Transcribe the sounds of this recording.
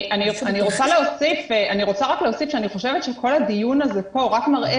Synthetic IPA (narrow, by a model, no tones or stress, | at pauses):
ʔanianiʁot͡saleosifeaniʁot͡saʁakleosifʃeaniχo̞ʃevet̪ʃe̞kʰo̞lhad̪ijunazepo̞ʁakmaʁʔe